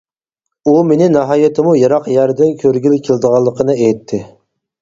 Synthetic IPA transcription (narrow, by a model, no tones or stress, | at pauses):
umenɪnɑɦɑːjet̪ʰɪmujɑɾɑqjæɾd̪ɪnkʲʰøɾɡʲilɪkʲʰeld̪əʁɑlˠːəqʰənɨejt̪ʰːɪ